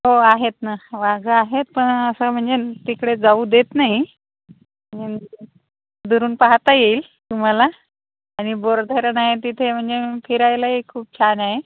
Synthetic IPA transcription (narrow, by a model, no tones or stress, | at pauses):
ɦoaɦet̪naʋaɡəaɦet̪̚pəɳəsəm̤əɳd͡zet̪ikɽed͡zauːd̪et̪naɦi | m̤əɳd͡ze | d̪uɾuːnpaɦt̪ajeːl | t̪um̤alaː | ɽ̃iboɾd̪ʱəɾənaɦet̪it̪ʰem̤əɳd͡zefʰiɾajlaɦikʰuːp̚t͡ɕʰanaɦe